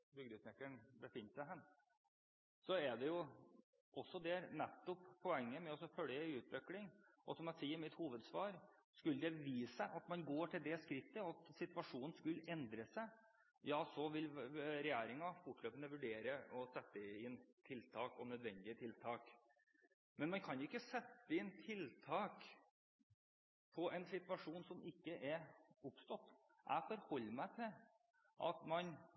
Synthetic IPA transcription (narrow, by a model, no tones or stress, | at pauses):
bʏɡ̚d̪ʉsnɛkːəɳbəfɪnːsæɪɦæn | sɔɛɖ̪ɛjʊ | ɔsːɔd̪ɛnɛt̪ːɔpʰːɔɛŋːəmɛɔsːɔfœljəʉːt̪ʋɛklɪŋɔ̰sɔmjæsiːəɾmɪt̪huːʋəd̪sʋɑːɾskʉlːəd̪ɛʋiːsəʔɑt̪mɑnɡoːʈʰɪld̪ɛskɾɪt̪ːəɔɑt̪sɪt̪ʋɑʂuːnn̩skʉlɛnd̪ɾəsæɪ | jɑːsɔʋɪlɾɛjæːɾɪŋɑfʊʈløːpənəʋʉɖeːɾəʔɔsɛt̪ːəɪnt̪ʰɪlt̪ʰɑːkɔ̰nœd̪ʋɛnd̪ɪət̪ʰɪlt̪ʰɑːk | mɛnmɑnkʰɑnjʊɪkːəsɛt̪ːəɪnt̪ʰɪlt̪ʰɑːk | pʰɔɛnsɪt̪ʋɑʂuːnsɔmɪkːəʔɛɾʊpst̪ɔt̪ː | ʔæ̰ɪfɔɾhɔlːmæɪt̪ʰɪl | ʔɑ̰t̪mɑn